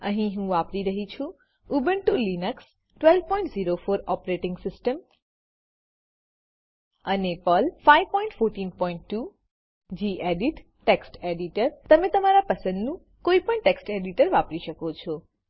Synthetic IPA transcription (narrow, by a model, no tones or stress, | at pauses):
ə̰ɦĩɦũʋapɾiɾəɦit͡ʃʰũ | ubəɳʈulinəks | ʈʋɛlbpɔ̃ĩɳʈziɾofoɾɔpɾeʈɪ̃ŋɡsɪsʈəm | ənepɔlfaiʋpɔ̃ĩɳʈfoɾʈiːnpɔĩɳʈːu | d͡ʒiʔeɖiʈː | eksʈeɖiʈəɾt̪əmẽt̪əmaɾapəsə̃nd̪nũ | koipəɳʈeksʈeɖiʈəɾʋapɾiʃəkot͡ʃʰɔ